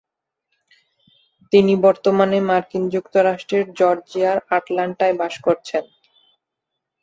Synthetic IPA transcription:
t̪inibɔɾt̪omanemaɾkind͡ʑukt̪oɾaʃʈɾeɾd͡ʑɔɾd͡ʑiaɾaʈlaɳʈaebaʃkoɾt͡ɕʰen

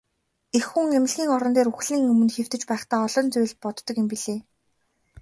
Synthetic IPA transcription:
exːuŋemɪ̆ɮɣʲiːŋɔɾɞ̆nt̪eːɾuxɮiːŋɵmɵ̆nxew̥t̪ɘ̆t͡ɕpæːχt̪aːɔɮɞ̆nt͡sʊjɮpɔt̪ːɞ̆kjʊmpiɮeː

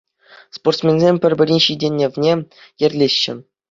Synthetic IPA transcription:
sport̪smʲenʲzʲemʲpʲɘ̆rʲbʲɘ̆rʲinʲɕidʲenʲːeʋʲnʲe | jɘ̆rʲlʲeɕːɘ̆

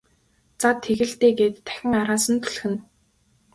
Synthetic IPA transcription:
t͡sat̪ʰːexɘ̆ɮt̪eːɡeːt̪ːʰæ̥xʲɪ̆ŋaɾaːsə̆nt̪ʰu̥ɮxɘ̆n

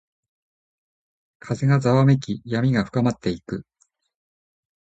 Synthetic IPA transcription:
kʰaze̞ɡazaβamekʲijamʲiɡaɸɯ̟̥kamat̪ːe̞ikɯ̟

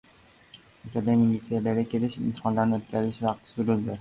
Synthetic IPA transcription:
ok̪ʰad̪amilʲit̪sijalaɾɡʲakʲʰe̞lɪʃɪ̰mt̪ʰɪ̥χɒnlaɾnɪɵt̪̚kʲʰazɪʃvɑqt̪ʰɪ̥sʊɾɪld̪ɪ

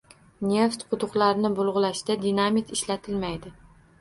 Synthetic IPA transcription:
nʲe̞ft̪qʰʊt̪ʊqlaɾnɪbʊlˠʁʊlaʃd̪ad̪inamit̪ʰɪʃlat̪ʰɪlmajd̪ɪ

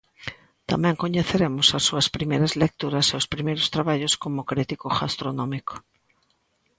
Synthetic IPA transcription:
t̪amɛ̃ŋkoɲeθeɾemʊsasːuɐspɾimejɾɐzlek̚t̪uɾɐseospɾimejɾʊst̪ɾaβaʎoskomokɾit̪ikoɣast̪ɾonɔ̃miko̥

